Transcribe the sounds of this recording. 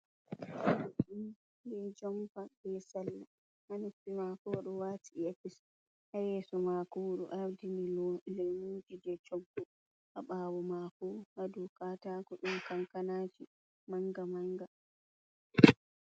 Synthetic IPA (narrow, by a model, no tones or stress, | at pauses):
ɗum | jɛd͡ʒɔmfabɛsalːa | hanupːimakɔɗɔwaːtiefis | hajɛːsɔmakɔɗuʔaɾdinilɛmuːd͡ʒidɛt͡ʃɔkːɔ | ʔaɓaːwɔmakɔhadukatakɔɗumkaŋkanaːd͡ʒi | maŋɡamaŋɡa